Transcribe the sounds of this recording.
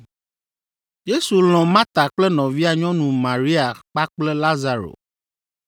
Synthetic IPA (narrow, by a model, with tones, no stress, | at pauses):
je˦su˨l̃ɔ̃˨mã˦t̪a˨k͡plɛ˦nɔ̃˨vi˦a˨ɲɔ̃˦nũ˨mã˨ɾi˦a˨k͡pa˦k͡plɛ˦la˦za˨ɾo̰˨